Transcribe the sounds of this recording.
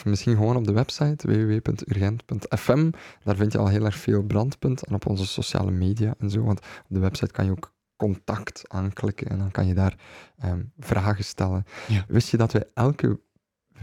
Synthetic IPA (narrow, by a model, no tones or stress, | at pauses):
mɪsxinɣəʋoːnɔb̚dəʋɛpsɑjtʋḛːʋeːʋeːpɵntyrɣɛntpɵntɛfɛmd̥aːrvɪntjəɑ̰lˠɦeːlˠɛrxfeːlˠbrɑntpɵntɛnɔpɔ̰nzəso̰sja̰ːlə̰meːdijaʔɛnzo̰ːʋɑntɔb̚dəʋɛpsɑjtkɑ̰njəoːk | kːɔntɑktʔaːnklɪkənɛ̰ndɑnkɑ̰njədaːrəːmv̥raːɣəstɛlənʋʔɪstjədɑtʋɛjʔɛlˠkə̰